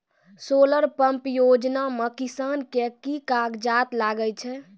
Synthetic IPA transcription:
soːləɾpəmpjod͡ʒnamekisankekikaɡd͡ʒat̪laɡət͡ʃʰɛ

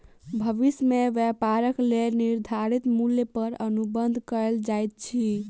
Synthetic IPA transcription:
bʱəʋismeʋɛpaɾəkleniɾd̪ʱaɾit̪muljəpəɾənubənd̪ʱkəld͡ʒajt̪̚t͡ʃʰi

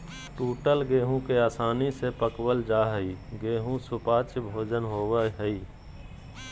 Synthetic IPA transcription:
ʈuːʈəlɡeːɦũkeaːsaːnisepəkwəld͡ʒaːɦəiːɡeːɦũsʊpaːt͡ʃbʱoːd͡ʒənɦoːwəɦəiː

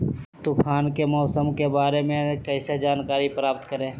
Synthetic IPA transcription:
t̪ʊpʰaːnkemɔːsəmkebaːɾemẽkɛɪsed͡ʒaːnkaːɾipɾaːpt̪kəɾẽː

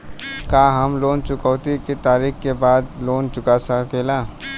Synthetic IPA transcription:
kaːɦəmloːnt͡ʃʊkəːt̪iket̪aːɾiːkkebaːd̪loːnt͡ʃʊkasəkelaː

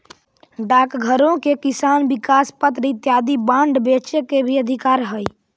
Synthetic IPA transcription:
ɖakɡʱəɾõkekisanbikaspət̪ɾit̪jad̪ibãɳɖbet͡ʃekebʱiəd̪ʱikaːɾɦəj

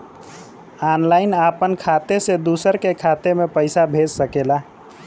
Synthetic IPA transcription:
anlaɪnapənkʰat̪esed̪usəɾkekʰat̪emepəɪsabʱed͡ʒsəkela

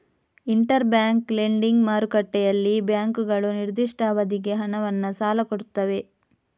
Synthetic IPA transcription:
iɳʈɐɾbjaːŋkleɳɖiŋɡmaːɾukɐʈːɛjɐlːibjaːŋkuɡɐɭuniɾd̪iʂʈʰaːʋɐd̪iɡe̞ɦɐnɐʋɐnːɐsaːlɐkoɽut̪ːɐʋe̞

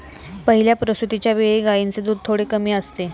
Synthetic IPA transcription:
pəɦiljapɾəsut̪it͡ɕjaʋeɭiɡajint͡sed̪uːd̪̚t̪ʰoɽekəmiːəst̪e

